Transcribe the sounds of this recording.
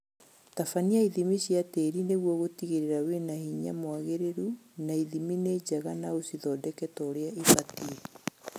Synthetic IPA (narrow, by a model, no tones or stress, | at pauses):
tafaniaiðimiɕjateːɾineɣwɔɣotiɣeɾeɾawenahiɲa̰mwaɣeɾeɾunaiðimined͡ʑaɣanaosiðɔdɛkɛtɔːɾeaifatie